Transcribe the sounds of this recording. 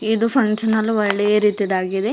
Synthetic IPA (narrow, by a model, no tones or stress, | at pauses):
id̪upʰɐŋʃɐnɐlːuʋɐɭːejɾiːt̪id̪aːɡid̪e̞